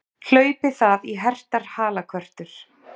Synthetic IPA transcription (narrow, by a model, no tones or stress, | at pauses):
l̥œːɥpɪθaðiɦɛr̥t̪aɾ̥haːlakʰvœr̥t̪ʏɾ̥